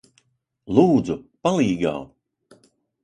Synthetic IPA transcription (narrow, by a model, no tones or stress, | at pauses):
lˠuːd̪zupalˠiːɡa̰w